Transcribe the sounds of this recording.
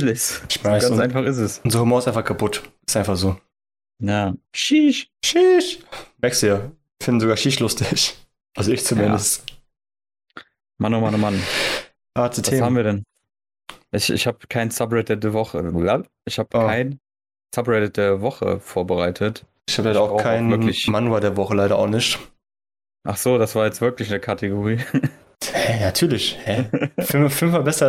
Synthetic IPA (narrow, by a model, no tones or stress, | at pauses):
lɪçsɪçmaɪɡanʊsʔaɪnfaχɪs̬tɛsʊnzʁɐhumɔɐɪstʔaɪnfaχkʰapʊtɪstʔaɪnfaχz̥oː | jaːʃiːʃʃiːʃmɛɐkstdujaː | iːfɪndn̩zoɡaːɐʃiːʃlʊstɪç | ʔalzoɪçt͡sumɪndəst | manoʊmanʊman | ʔaːt͡sutʰaeːshaːbm̩viːɐdɛn | ʔɪçɪ̰çhaːbəkʰaɪnsabʁɛt̚deːɐvɔχə̰la | ʔɪçhaːbəkkːʰaɪn | sabʁɛtəd̥eːɐvɔχə̰foːɐbəʁaɪtʰət | ɪçhaːbəlaɪɾɐaʊxkʰaɪnɪɐlɪçmanwaːdeːɐvɔχəlaɪɾɐa̰ʊxnɪçt | ʔaχz̥oːdasv̥aːɐjɛt͡stvɪɐklɪçnəkʰatʰeɡoʁiː | hɛnatʰyːɐlɪçhɛfɪmfɪlmvabɛsɐ